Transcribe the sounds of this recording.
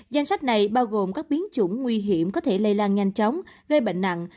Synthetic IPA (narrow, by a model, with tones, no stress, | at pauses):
za˧jŋ̟sa˦˥k̟̚na˨˩jɓaː˧wɣo˨˩mkaː˦˥k̚ɓi˨˦ənt͡ɕʊ̰˧˩ŋ͡mŋwi˧ɦi˧˩˨əmkɔ˨˦t̪ʰe˧˩lə˧jlaː˧nɲa˧jŋ̟t͡ɕɔ˨˦wŋ͡mɣə˧jɓə̰˧˨ŋ̟na̰˧˨n